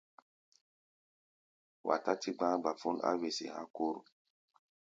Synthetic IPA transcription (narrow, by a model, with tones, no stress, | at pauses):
wa̰˨ta˦ti˦ɡ͡bã˦ba˨fu˦na̰˦we˨sḭ˨ha̰˦ko˦ɾu˨